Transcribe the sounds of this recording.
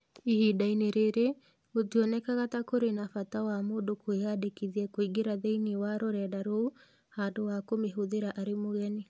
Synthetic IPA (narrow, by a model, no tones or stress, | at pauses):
ihidaineɾeɾe | otiɔnɛkaɣatakoɾenafatawamoːndokoeadekiðiɛkoiɡeɾaðeiniwaɾoɾɛːdaɾou | haːdowakomeɦoðeɾaʔaɾemoɣɛne